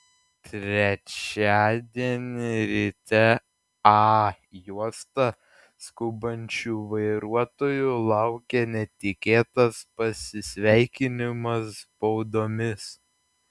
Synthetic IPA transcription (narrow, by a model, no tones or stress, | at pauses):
t̪ʲɾʲɛt͡ʃʲæːd̪ʲiɛnʲɪɾʲit̪ʲɛ | ɑ | juɔst̪ɐ | skʊbɐnʲt͡ʃʲuːʋɐɪɾuɔt̪oːjʊlˠɑˑʊkʲenʲɛt̪ʲɪkʲeːt̪ɐspɐsʲɪsʲʋʲæɪkʲɪnʲɪmɐsːpɒʊd̪oːmʲɪs